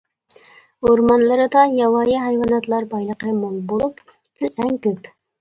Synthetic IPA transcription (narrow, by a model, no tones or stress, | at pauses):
oɾmɑnlˠɨɾɨd̪ɑjɑwɑjɪɦæjwɑnɑt̪lˠɑɾbɑjlˠəqəmolˠbolˠup | ɪlæŋkʲøp